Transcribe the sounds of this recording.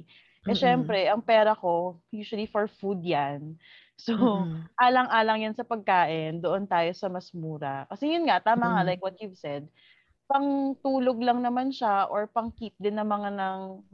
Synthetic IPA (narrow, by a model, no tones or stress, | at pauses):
ʔʔɛʃɛmpɾɛʔɐŋpɛːɾɐko̞juːʃwɐlifoɹfud̪̚jan | soʔaːlɐŋʔaːlɐŋjansɐpɐɡ̚kaːʔɪnd̪oʔont̪aːjo̞sɐmɐsmuːɾɐkɐsɛjʊnŋat̪aːmɐŋalajkwɔt̪̚juvsɛd̪̚ | pɐŋt̪uːloɡ̚lɐŋnɐmanʃaʔoɹpɐŋkiːp̚d̪ɪnːɐmɐŋanɐŋ